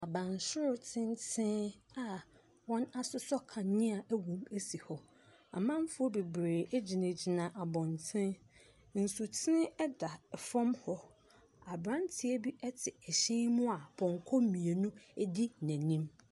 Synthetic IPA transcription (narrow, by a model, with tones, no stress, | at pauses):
a˨bã˨n˨sʊ˦ɾʊ˨˦tʰɪ̃˦ntʰɪ̃˦na˨ | wɔ̃˦na˦sʊ˦sɔ˦kʰã˨nɪ̃˦a˨ʔæ˦wũ˨mæ˦si˨hɔ˨ | a˨mã˦m˦fʊ˦ɔ˦be˨bɾeː˨e˦d͡ʑi˨nã˨d͡ʑi˨nã˨ʔa˨bɔ̃˨ntʰɪ̃˦n | n̩˨su˨tʰɪ̃˦ɛ˦da˨fɔ̃˦mhɔ˦ | a˨bɾã˦ntʰɪ˦e˦bi˦ʔɛ˦tʰɪ˨ɛ˨ɕɛ̃˦mʊ̃˦a˨bʰɔ̃˨ŋ˨kʰɔ˦mĩ˨e˨nʊ̃˦di˦˨næ̃˨nĩ˦m